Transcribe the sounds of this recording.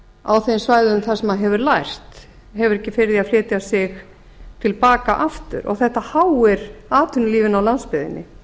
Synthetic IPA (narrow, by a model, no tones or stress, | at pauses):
a̰wθejnsvajðʏmθasɛmaðɦɛvʏɾlajr̥t̪ | ɦɛvʏɾɛhcːɪfɪɾðiaðflɪːt̪jasɪx | t̪ʰɪlpaːkaʔaft̪ʏ̰ɾʔɔ̰ɣθɛht̪ahawɛɾaːt̪ʰʏnliːvɪnawlanspɪðɪ̰nːɪ̰